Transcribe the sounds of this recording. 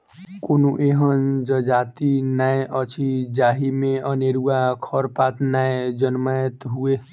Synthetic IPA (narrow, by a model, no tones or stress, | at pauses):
konoʔeɦənd͡ʒəd͡ʒat̪inaeʔət͡ʃʰid͡ʒaɦimeəneɾuakʰəɾpat̪naed͡ʒənmajət̪ɦue